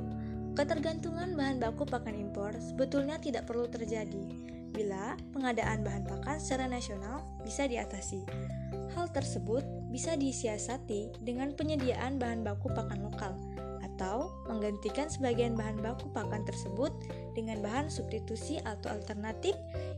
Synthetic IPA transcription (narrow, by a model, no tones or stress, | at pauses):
kət̪ərɡant̪uŋanbaɦanbakupakanimpɔrsəbət̪ulɲat̪idaʔpərlut̪ərd͡ʒadi | bilapəŋadaʔanbaɦanpakansəɾanasional | bisadiat̪asihalt̪ərsəbʊt̪̚bisadisiasat̪i | dəŋanpəɲədiaʔanbaɦanbakupakanlokal | ʔat̪aw | məŋɡant̪ikansəbaɡianbaɦanbakupakant̪ərsəbʊt̪̚ | dəŋanbaɦansubst̪it̪usiʔat̪awa̰lt̪ərnat̪ɪf̚